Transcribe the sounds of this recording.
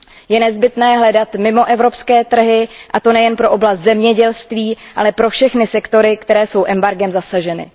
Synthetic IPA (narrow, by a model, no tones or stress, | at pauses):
jɛnɛzbɪt̪nɛːɦlɛdat̪mɪmo̞ʔɛvɾo̞pskɛːt̪r̩ɦɪʔat̪o̞nɛjɛnpɾo̞ʔoblast̪zɛmɲɛɟɛlst̪viːʔalɛpɾo̞fʃɛxnɪsɛkt̪o̞ɾɪkt̪ɛɾɛːso̞wʔɛmbaɾɡɛmzasaʒɛnɪ̰